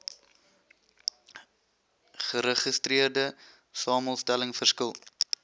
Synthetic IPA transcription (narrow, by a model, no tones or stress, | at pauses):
χəɾəχəstɾiərdə | sɑːməlˠstæləŋfərskəlˠ